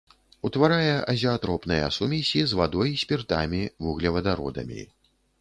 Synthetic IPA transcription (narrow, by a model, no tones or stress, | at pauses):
ut̪vaɾajɛʔɐzʲiat̪ɾɔpnɨjɐ̰sumʲisʲizvad̪ɔjisʲpʲirt̪a̰mʲivuɣlʲɛvɐd̪aɾɔ̰d̪ɐ̰mʲḭ